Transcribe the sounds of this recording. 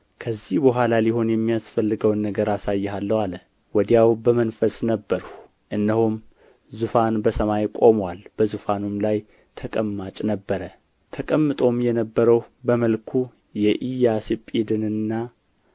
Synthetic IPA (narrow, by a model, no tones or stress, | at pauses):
kʰəzːihbəɦʷalaliho̞njɛmːijasfəlːɨɡəwnːəɡəɾasajːɛɦalːəwalə | wɔd̪jawbəmənfəsnəbːəɾh | ʔɨnːəhum | zufanbəsəmajkʼo̞mwalb̥əzufanumlaj | t̪ʰəkʼəmːat͡ʃʼnəbːəɾə | t̪ʰəkʼəmːɨt̪ʼo̞mjɛnəbːəɾəwbəməlkʰu | jɛʔijasipʼid̪ɨnɨnːa